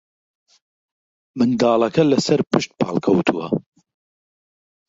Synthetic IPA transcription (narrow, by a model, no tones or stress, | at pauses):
mɨnd̪ɑːlˠɐkʰɐlɐsɐɾpʰɨʃt̪̚pʰɑ̰ːlkʰɐwt̪ʰuwɐ̰